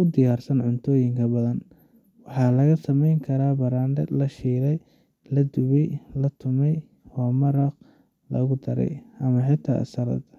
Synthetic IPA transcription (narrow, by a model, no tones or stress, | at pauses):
ʊd̪ɪjaːrsɐnʕʊnt̪ʰɔːjɪŋkʰɐbɐðɐn | wɑħɑːlɐɣɐsɐmɛjŋkʰɐɾaːbɐɾaːndɛlɐʃiːɾɛj | lɐd̪ʊβɪlɐt̪ʰʊmɛj | hɔːmɐɾɐq | lɐ̰ɣʊd̪ɐɾɛ̰jɐmɐħɪt̪ʰːa̰ːsɐɾɐ̰d̪